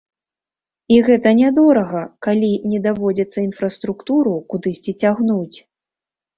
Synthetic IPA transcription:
iɣɛt̪ɐnʲad̪ɔɾɐɣɐkalʲinʲɛd̪avɔd͡zʲɐt̪sːɐin̪fɾɐst̪ɾukt̪uɾukud̪ɨsʲt͡sʲit͡sʲaɣnut͡sʲ

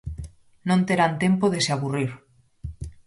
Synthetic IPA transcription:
nõnt̪eɾant̪empoðeseaβuriɾ

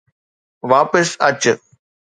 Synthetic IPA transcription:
ʋaːpəsɐt͡ɕ

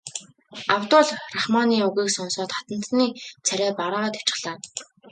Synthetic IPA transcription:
awt̪ʊːɮraχmaːniːuɣiːksɔnsɔːt̪χḁt̪ə̆n̥t̪niːt͡sʰæɾʲæːpaɾaːʁaːt̪æ̥t͡ɕɪ̥̆ɮ̥aː

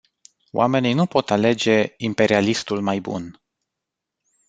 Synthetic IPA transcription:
wʔa̰me̞ninupo̞t̪ale̞d͡ʒe̞impe̞ɾialist̪ulmajbṵn

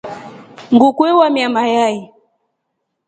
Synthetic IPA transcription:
ŋɡukwɛwamiamajai

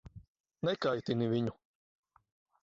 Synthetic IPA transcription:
nɛkajt̪inivʲiɲu

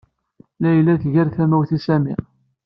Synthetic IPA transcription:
læjlːæθʝæɾθæmæwθisæmḭ

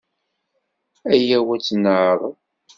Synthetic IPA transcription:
æjæwæt͡sːnəʕðˤ

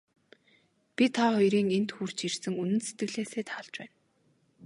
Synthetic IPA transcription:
pʲit̪ʰaχɔjɾiːŋent̪xuːr̥t͡ɕirsɘ̆ŋunɘ̆nset̪ɡɘ̆ɮeːseːt̪ʰaːɮt͡ɕpæ̰ːn

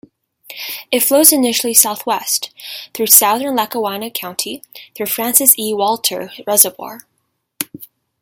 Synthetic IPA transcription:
ɨtfloʊzɨnɪʃl̩ˠisaʊθwɛsθɹʉsaʊðə̃˞nlækəwɑnɨkʰãʊ̃ntʰiθɹʉfɹæ̃nsɨsiwɔlˠtʰə̰˞ɹɛzəbwɔ̰ɹ

